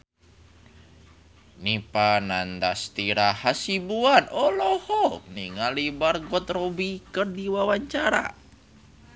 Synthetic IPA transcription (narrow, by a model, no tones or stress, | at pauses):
nipanand̪ast̪iɾahasibuanɔlɔhɔniŋalibarɡɔt̪robikɨrdiwawaɲt͡ʃaɾa̰